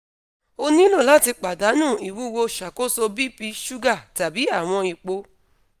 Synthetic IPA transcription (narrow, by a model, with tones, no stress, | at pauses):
o˧nĩ˦lo˦˨la˦˨ti˧k͡pa˨da˨˦nũː˦˨i˨wu˦wo˧ʃa˨ko˦so˧bi˦pi˧ʃu˦ɡa˦˨ta˨bi˨˦a˦˨w̃ɔ̃˧i˧k͡po˧